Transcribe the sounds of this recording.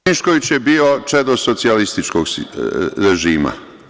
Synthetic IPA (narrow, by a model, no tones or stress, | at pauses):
iʃkoʋit͡ɕje̞biːot͡ʂed̪osot̪sialist̪it͡ʃkoɡ | ɾeʒiːma̰